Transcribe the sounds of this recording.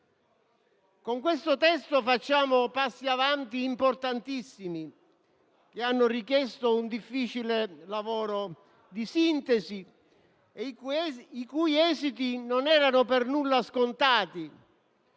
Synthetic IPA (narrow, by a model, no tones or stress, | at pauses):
koŋkwest̪ot̪ɛst̪ofat͡ʃːaːmʊpasːiavant̪iːmport̪ant̪isːimi | k̟eanːʊrikjɛst̪ound̪ifːiːt͡ʃilelavɔːɾo | d̪isint̪ɛsi | ikujɛːzit̪inonɛːɾanʊpɛrnulːaskont̪aːt̪i